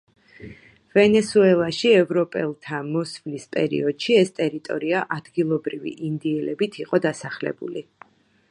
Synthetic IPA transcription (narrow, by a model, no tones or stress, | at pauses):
vɛnɛsuɛlˠaʃiɛvɾɔpʼɛ̰lˠt̪ʰamɔsvlispʼɛ̰ɾḭɔd̪̥ʃiɛst̪ʼɛɾit̪ʼɔ̰ɾiaʔad̪ɡilˠɔbɾivḭʔind̪iɛlɛbit̪ʰiqʼɔd̪asaχlɛ̰bṵli